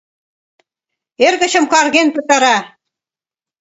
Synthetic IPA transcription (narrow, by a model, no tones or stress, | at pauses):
eɾɣə̆ɕə̆mkɑrɣenpɤ̆t̪ɑɾɑ